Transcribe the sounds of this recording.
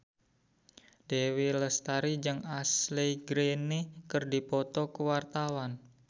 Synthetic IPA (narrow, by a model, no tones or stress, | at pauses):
d̥ewiləst̪aɾid͡ʒɨŋasleɡɾenekərdipɔt̪ɔkəwart̪awan